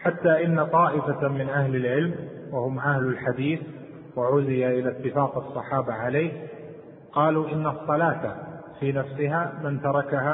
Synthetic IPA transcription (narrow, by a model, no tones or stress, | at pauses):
ħat̪ːaːʔɪnːat̪ˤɑːʔɪfamɪnʔahlɪlʕɪlmwahʊmʔahlʊlħad̪iːθ | waʕʊzɪjaʔɪlat̪ːɪfaːqɑsˤːɑħɑːbaʕaleːh | qɑːluːʔɪnːsˤːɑlaːt̪a | fiːnafsɪɦaːmɪnt̪ɑɾˤɑkaha